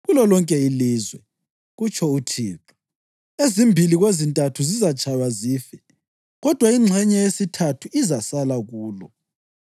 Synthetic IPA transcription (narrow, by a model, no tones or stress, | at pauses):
ɣulɔlɔŋkʼɛiliːzwɛ̰ | ɣut͡ʃʰʼɔutʰiːǁu̥ | ezimbʱiliɣwezintʼatʰuzizat͡ʃʰʼajwaziːfɛ | ɣɔd̥ʱwaiŋ͡ǁʱɛɲɛjesitʰatʰuizasalaɣuːlɔ